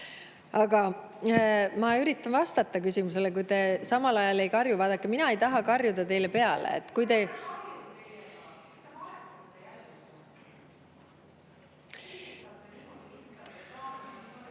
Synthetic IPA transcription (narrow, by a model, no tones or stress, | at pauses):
ɑɡ̥ɑ | mɑyɾit̪ːˑɑnvɑst̪ɑt̪ːˑɑkysimus̬e̞lekujt̪e̞sɑmɑlɑjɑle̞jkɑrjuvɑːd̪̥ɑkːˑeminɑe̞jt̪ɑɦɑkɑrjud̪ɑt̪e̞jle̞pe̞ɑlḛḛt̪ːˑkujt̪e̞